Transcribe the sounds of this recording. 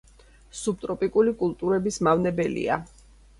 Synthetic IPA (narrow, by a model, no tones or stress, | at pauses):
sub̚t̪ʼɾɔpʼikʼulikʼulˠt̪ʼuɾɛbismavnɛbɛlḭa